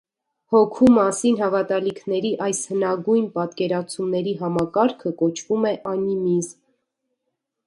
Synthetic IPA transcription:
hɔkʰumɑsinɦɑvɑt̪ɑlikʰnɛɾiʔɑjshənɑɡujnpɑt̪kɛɾɑt͡sʰumnɛɾiɦɑmɑkɑɾkʰəkɔt͡ʃʰvumɛʔɑnimiz

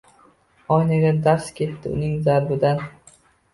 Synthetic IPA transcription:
ɒjnaɡʲad̪aɾskʲʰe̞t̪ːɪʊ̰nɪŋzaɾbɪd̪an

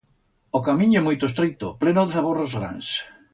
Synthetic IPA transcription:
okamĩɲʊɛmojt̪oest̪ɾet̪ʊplenoðeθaβorozɣɾa̰ns

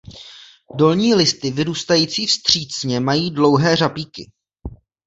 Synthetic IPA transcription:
do̞lɲiːlɪst̪ɪvɪɾuːst̪ajiːt͡siːfst̪r̝̥iːt͡sɲɛmajiːdlo̞wɦɛːrapiːkɪ

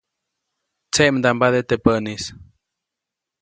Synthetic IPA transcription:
t͡seʔmd̪ambaðet̪epənis

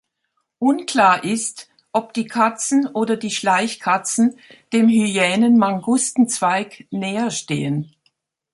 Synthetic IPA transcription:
ʔʊnkl̥aːɐʔɪst | ʔɔp̚d̥iːkʰat͡sn̩ʔoːdɐdiːʃlaɪçkʰat͡sn̩d̥eːmhyjɛːnənmaŋɡʊstn̩t͡sv̥aɪknɛːɐʃteːən

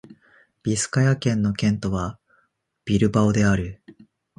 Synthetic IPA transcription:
b̥ʲisɨ̥kajakẽ̞nːo̞kẽ̞nt̪o̞βa | b̥ʲiɾɯ̟baod̪e̞aɾɯ̟

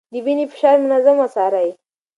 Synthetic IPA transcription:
dibinipi̥ʃaɾmunɐzɐmɐsaɾaj

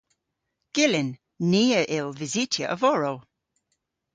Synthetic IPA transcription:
ɡ̥ɪlɪnː | iːəʔɪlˠvɪzitʰjə̰ʔəvɔɹəlˠ

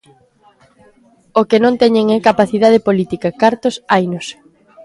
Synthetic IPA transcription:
okenõnt̪ɛɲeŋɛkapaθiðað̞epolit̪ikɐkaɾt̪osajnos

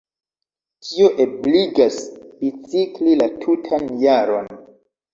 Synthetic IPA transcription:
tʰio̞ʔebliɡasb̥it͡siklilatʰutʰanjaɾon

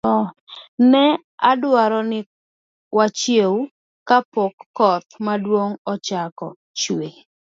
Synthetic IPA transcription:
ɔ | nɛ | adwaɾɔnɪ | wat͡ʃjeu | kapokːɔt̪madwoŋɔt͡ʃakɔ | t͡ʃwe

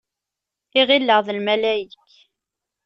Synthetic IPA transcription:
iʁilːəʁðəlmælæjikː

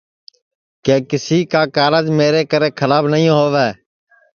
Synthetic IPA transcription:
keːkɪsiːkaːkaːɾəd͡ʒmeːɾeːkəɾeːkʰəlaːbnəɦĩːɦoːʋɛː

